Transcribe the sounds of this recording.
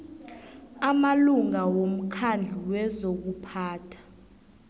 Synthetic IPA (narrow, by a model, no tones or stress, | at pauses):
amaluŋawom̩kʰand͡ɮʱiwɛzok̬upʰaːtʰḁ